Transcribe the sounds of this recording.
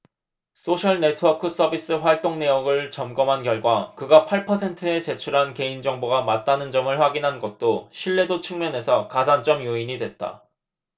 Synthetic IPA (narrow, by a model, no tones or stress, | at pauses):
s͈ʰoɕʰʌɭne̞tʰɯwʌkʰɯs͈ʌbis͈ɯɸwaɭt͈oŋne̞joɡɯɭt͡ɕʌmɡʌmɦankjʌɭɡwakɯɡapʰaɭpʰʌsʰe̞ntʰɯe̞t͡ɕe̞t͡ɕʰuɾɦanke̞ind͡ʑʌŋboɡamat̚t͈anɯnd͡ʑʌmɯɭɸwaɡinɦanɡʌt̚t͈oɕʰiɭːe̞dot͡ɕʰɯŋmjʌne̞sʰʌkasʰant͡ɕ͈ʌmjoiɲidwe̞t̚t͈a̰